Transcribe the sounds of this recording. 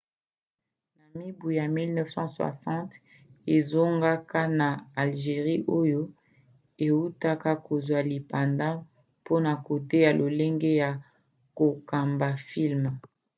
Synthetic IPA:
na˨mi˦bu˨ja˨mi˦lnɛ˦fsɑ̃˦swa̰˨sɑ̃˦t | e˨zo˦ŋɡa˦ka˦na˨a˨lʒe˨ʁi˦ʔo˦jo˦ | e˨wu˦ta˦ka˦ko˨zwa˦li˨pã˨ndã˦ | po˦na˨ko˨te˦ja˨lo˨le˦ŋɡe˦ja˨ | ko˨ka˨mba˨fi˦lm˨

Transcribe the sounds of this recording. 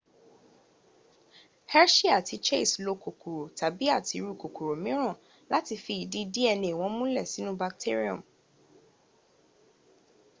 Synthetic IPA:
hɛ˦ɾʃi˦a˨ti˨˧t͡ʃe˦i˦˨slo˧ko˨ku˨ɾo˨ta˨bi˦a˦˨ti˧ɾu˧ko˨ku˨ɾo˨mĩ˨˦ɾ̃ã˦˨ | la˦ti˧fi˧i˨di˧di˦ɛ˧nĩ˧e˨w̃ɔ̃˨˦mũ˦lɛ˦˨si˨˦nũ˦ba˧k̚tʰe˦ɾi˦ɔ̰̃˨m̩˨

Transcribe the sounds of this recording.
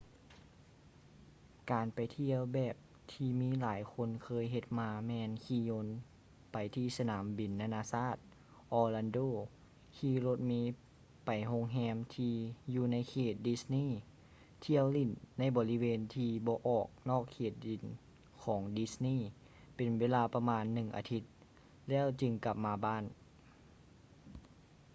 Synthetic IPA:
kaː˨npa˨˩jt̪ʰi˧əwbɛː˨˩p̚ | t̪ʰiː˧miː˧˥˨laː˨˦jkʰo˧˥nkʰɤː˧jɦe˧t̪̚maː˧mɛː˧nkʰiː˧˩ɲo˧˥n | pa˨˩jt̪ʰiː˧˩sa˧naː˩˦mbi˨˩nːaː˧naː˧saː˧˥˩t̪̚ | ʔɔː˧la˧ndoː˧˩˨ | kʰiː˧lo˧t̪̚miː˧˥ | pa˨˩jɦo˧ŋɦɛː˧˥mt̪ʰiː˧juː˧na˧˥jkʰeː˨˩t̪̚di˧˦sniː˥˨ | t̪ʰi˧ə˧wli˧˩˨nːa˧˥˨jbɔː˨˦li˦˧˨weː˧nt̪ʰiː˧bɔː˧˦ʔɔː˨˩k̚nɔː˥˩kʰːeː˨˩t̪̚di˨˩n | kʰɔː˩˦ŋdi˧˦sniː˧˥˨ | pe˨˩nweː˧˥˨laː˧pa˧maː˧nːɯ˨˩ŋʔa̰ː˧t̪ʰi˧˦˥t̪̚ | lɛː˥˨wt͡ɕɯ˧ŋka˧˩p̚maː˧baː˧˥˩n

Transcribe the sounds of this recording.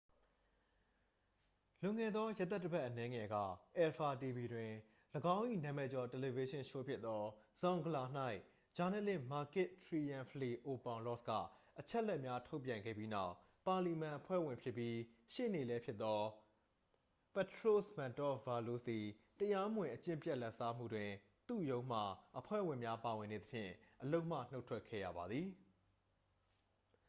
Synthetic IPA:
lʊ˨ŋɛ˨d̪ðɔ˦ja˦t̪̬ːɛ˦˨tːə˦bɛ˦ʔənɛ˦ŋɛ˨ɡä̰˦˨ʔɛ˨fa˨ti˨bi˨dwɪ̃˨ | ləɡã˦ʊ̃ʔḭ˦˨nã˨mɛ˦ʔt͡ɕɔ˨tɛ˨li˨be˦ʃɪ̃˦˨ʃo˦pʰjɪ˦t̪ːɔ˦z̥ã˨ʊ̃ŋɡəla˨n̥a˦ɪʔ | d͡ʑa˨nɛ˦lɪ̃˦˨ma˨kɪ˦ʔtʰɹi˨jã˨npʰəli˨ʔo˨pã˨ʊ̃lɔ̰˦skä̰˦˨ʔət͡ɕʰɛ˦ʔlɛ˦ʔmja˦tʰo˦ʊpjã˨ŋɡɛ̰˦˨pji˦na˦ʊʔ | pa˨li˨mã˨ʔəpʰwɛ̰˦˨wɪ̃˨mpʰjɪ˦ʔpːji˦ʃḛ˦˨ne˨lɛ˦pʰjɪ˦t̪ːɔ˦ | pɛ˦˨tʰɹo˦smã˨ntɔ˦va˨lo˦˨sd̪i˨təja˦mwɪ̃˨ʔət͡ɕɪ̃˦mpjɛ˦ʔla˦˨ʔsa˦m̥ṵ˦˨dwɪ̃˨ | t̪ṵ˦˨jõ˦ʊ̃m̥a˨ʔəpʰwɛ̰˦˨wɪ̃˨mja˦pa˨wɪ̃˨ne˨t̪əpʰjɪ̰̃˦˨ʔəlo˦ʊʔm̥ä̰˦˨n̥o˦ʊtʰwɛ˦ʔkʰːɛ̰˦˨jä̰˦˨ba˨d̪ði˨

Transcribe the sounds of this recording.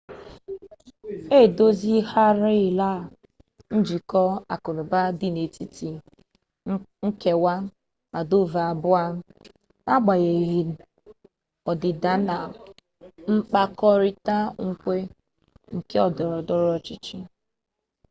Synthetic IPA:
e˦˨do˦zi˦ha˦ɾɪ˦ɪ˨la˦˨ | n̩˦d͡ʒi˨kɔ˦a˨kʊ˨nʊ˨ba˦dɪ˨ne˨ti˦ti˨ | ŋ̩˦ke˨wa˦ | na˨do˦va˨bʊ˦a˦ | na˦ɡ͡ba˨je˨ɣi˨ | ɔ˨dɪ˨da˦na˨ | ŋ͡m̩˦k͡pa˦kɔ˦ɾɪ˦ta˦ŋ̩˦kʷe˦ | ŋ̩˨ke˦ɔ˨dɔ˨ɾɔ˨dɔ˦ɾɔ˦t͡ʃɪ˦t͡ʃi˦

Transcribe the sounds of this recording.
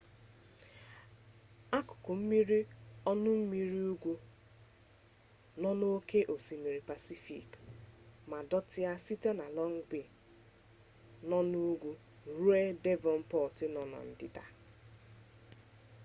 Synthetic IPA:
a˦kʊ̥˨kʊ˨m̩˦mi˦ɾi˦ɔ˦nʊ˦m̩˦mi˦ɾi˦u˦ɡʷu˦ | nɔ˦no˦o˦kʰe˦ʔo˨si˨mi˨ɾi˨pa˨si˦fi˨k | ma˨dɔ˦tɪ˦a˦si˦te˦na˨lɔ˦ŋ̩˦ɡ͡bɪ˨ | nɔ˦nu˦ɡʷu˦ | ɾu˦e˦de˦vɔ˨m̩˦pɔ˦˨tɪ˦nɔ˨nɔ̰˨n̩˨dɪ˦ta˨

